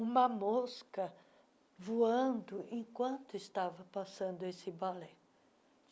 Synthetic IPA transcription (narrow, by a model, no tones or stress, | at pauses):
ũmɐmoskɐ | vuɐ̃nd̪ʊʔẽkwɐ̃nt̪ʊɪst̪avɐpasɐ̃nd̪ʊesɪbalɛ